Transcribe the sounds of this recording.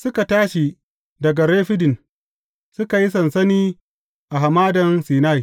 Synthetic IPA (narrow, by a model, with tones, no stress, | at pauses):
sʊ˦ka˨taː˦ʃi˨ | dɐ˨ɡa˨ɾeː˦ɸɪ˦dɪ˨n | sʊ˦ka˨ji˦s̬ɐ˨nsɐ˦niː˦ | ʔa˨ɦa˨maː˦dɐ˨nsiː˨na˦˨ji˨